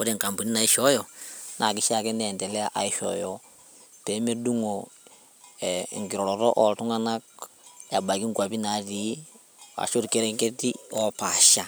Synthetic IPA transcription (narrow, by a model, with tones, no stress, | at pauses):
kɔ˦ɾe˨ŋka˨mbu˨ni˦na˨i˦ʃɔ˦jɔ˨na˨kɪ˦ʃa˦˨kɛ˦nɛ˨ntɛ˨lɛ˦a˨ʔa̰˨i˦ʃɔ̰˨jɔ˦ | pe˨˦me˦du˦ŋo˨ | ɛ̰˨ŋɡi˨ɾɔ˨ɾɔ˨ɾɔ̰˦ʔɔ˨ltu˦ŋa˦na˦k̚ja˨ba˨ɡi˦ŋɡa˨bi˦na˨˦ɾi˨˦ | a̰˨ʃo˦ɾke˦ɾɛ˦ŋke˦ti˦ɔ˦pa˨ʃa˦